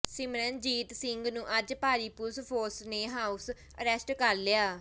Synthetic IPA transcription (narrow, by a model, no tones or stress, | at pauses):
sɪmɾənd͡ʒiːt̪sɪŋɡnũːʔəd͡ʒpaːɾiːpʊspʰoːsneːɦaːus | əɾɛsʈkəɾleaː